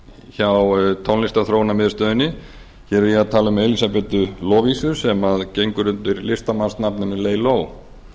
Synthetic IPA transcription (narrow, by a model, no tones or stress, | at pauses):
çawt̪ʰɔnɪst̪aθɾoːwnamɪðst̪œːðɪnːɪ | çɛɾiat̪ʰaːlʏmelisapɛt̪ʏlɔːvisʏ̥sɛmaðcejŋkʏɾʏnt̪ʏɾlɪst̪amanst̪napnʏnɪleːjlow